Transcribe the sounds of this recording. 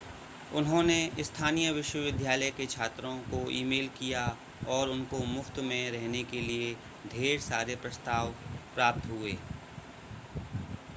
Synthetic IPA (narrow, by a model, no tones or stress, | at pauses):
ʊnɦõneɪst̪ʰaːnijəʋɪʃwəʋɪd̪ʱjaːləjket͡ʃʰaːt̪ɾõkoḭːmeːlkija | ɔːɾʊnkomʊft̪mẽɾɛɦnekelie | d̪ʱeːɾsaːɾepɾɐst̪aːʋpɾaːp̚t̪ɦʊeː